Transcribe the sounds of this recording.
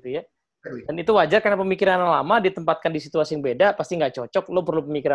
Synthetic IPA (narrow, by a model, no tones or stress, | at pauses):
t̪uja | danit̪uwad͡ʒarkarnapəmikiɾanlamadit̪əmpat̪̚kandisit̪uasijaŋbedapast̪iŋɡaʔt͡ʃɔt͡ʃɔk̚lopərlupəmikiɾa